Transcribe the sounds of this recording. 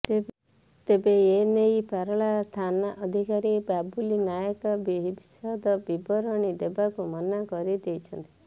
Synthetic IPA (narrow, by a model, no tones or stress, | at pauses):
t̪ebeenejpaɾɔɭast̪ʰanaʔɔd̪ʱikaɾibabulinajəkɔbibsɔd̪ɔbibɔɾɔɽ̃id̪ebakumɔnakɔɾid̪ejt͡ʃʰɔnt̪i